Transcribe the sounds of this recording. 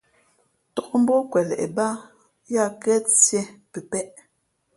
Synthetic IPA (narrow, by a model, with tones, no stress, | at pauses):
tɔ˨ʔm̩˦bɔ˦kwɛ˨lɛ̰˨ʔɛ˨ba˦ | ja˦˨kɛ˦t͡sjɛ˦pe˨pɛ˦ʔ